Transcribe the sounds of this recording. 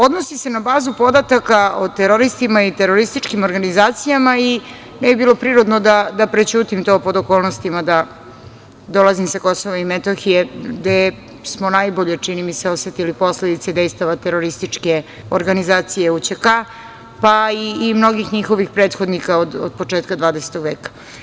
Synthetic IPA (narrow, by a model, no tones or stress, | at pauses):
o̞d̪nosise̞nabaːzupo̞d̪at̪akaot̪eɾoɾist̪imait̪eɾoɾist̪it͡ʃkimo̞ɾɡanizaːt̪sijamai | nɛbibiːlo̞pɾiːɾod̪nod̪ad̪apɾet͡ɕuːt̪imt̪o̞po̞d̪oko̞ːlˠnost̪imad̪a | d̪o̞lazimsako̞soʋaimet̪oxijeɡd̪e | smonajboʎet͡ʂinimiseoset̪ilipo̞sled̪it̪sed̪e̞jst̪aʋat̪eɾo̞ɾist̪it͡ʂke̞ | oɾɡanizaːt̪sije̞ut͡ɕeka | paiːmno̞ɡixɲixo̞ʋixpɾeːt̪xo̞d̪nikaod̪od̪̚po̞t͡ʂe̞ːt̪kad̪ʋaːd̪ese̥t̪o̞ɡʋeːkḁ